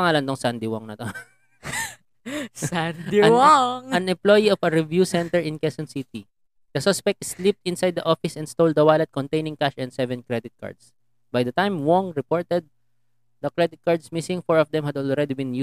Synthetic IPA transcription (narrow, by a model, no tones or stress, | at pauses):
ɐŋaːlɐnt̪oŋsand̪ɪwɔŋnɐt̪o | sand̪iwaŋɐnɛ̃mplojiɔfɐɹɪvjusɛ̃nt̪ɛɹɪ̃nkɛsɔ̃nsit̪i | d̪̥ɐsɔspɛk̚t̪slip̚t̪ɪ̃nsajd̪̚ːɐʔofɪsɛ̃nst̪owld̪ɐwalɛt̪̚kɔnt̪ejnɪ̃ŋkaʃɛ̃nd̪sɛvɛ̃nkɹɛd̪ɪt̪̚ka̰ɹd̪s | bajd̪ɐt̪ãjmwɔŋɹɛpɔɹt̪ɛd̪̚ | d̪ɐkɹɛd̪ɪt̪̚kaɹd̪smɪsɪ̃ŋfɔɹɔfd̪ɛ̃mhɐd̪ɔlɹɛd̪ibɪ̃nju